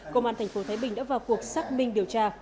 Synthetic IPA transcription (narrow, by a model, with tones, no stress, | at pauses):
kə˧wŋ͡mʔaː˧t̪ʰŋfo˨˦t̪ʰaː˨˦jɓï˨˩ŋ̟ɗa̰ː˧˥vaː˨˩wku˨˩ək̚saː˦˥k̚mï˧ŋ̟ɗi˨˩əwt͡ɕaː˧